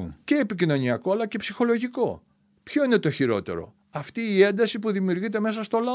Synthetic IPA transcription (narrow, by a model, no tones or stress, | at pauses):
ce̞ːpicino̞niɐko̞ɐlɐcepsixo̞lo̞ʝiko̞ | pço̞ine̞t̪o̞çiɾo̞̰t̪e̞̰ɾo̞̰ | ɐft̪iːe̞nd̪ɐsipuðimiuɾʝit̪̬e̞me̞s̬ɐst̪o̞lɐ